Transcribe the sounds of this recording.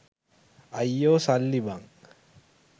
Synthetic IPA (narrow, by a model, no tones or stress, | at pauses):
ɐjːoːsɐlːibaŋ